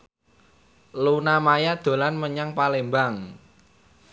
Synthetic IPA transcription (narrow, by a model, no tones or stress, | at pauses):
lunamajad̪̥o̤lanməɲaŋpalembaŋ